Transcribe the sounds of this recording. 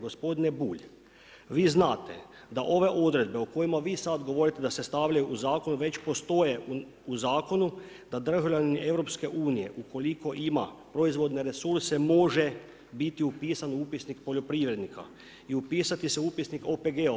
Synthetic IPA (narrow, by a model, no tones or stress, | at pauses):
ɡospo̞d̪inebuːʎ | ʋiːznaːt̪e̞̰ | d̪aʔo̞ʋe̞ʔo̞d̪ɾe̞d̪beuko̞jimaʋiːsad̪ɡoʋo̞ɾit̪e̞d̪ase̞st̪aʋʎʲajuʔuzaːko̞nuʋe̞t͡ɕpo̞st̪o̞je̞ | uzaːko̞nu | d̪̥ad̪r̩ʒaʋʎaniiʔe̞ʋɾo̞pske̞ʔuːnije̞̰ʔukʰo̞liko̞ʔimapɾo̞izʋo̞d̪ne̞ɾe̞suɾsemo̞ʒe | bit̪iupiːsanupisnikpo̞ʎo̞pɾiːʋɾe̞d̪nikʰa̰ | iupiːsat̪iseupisnikopeɡe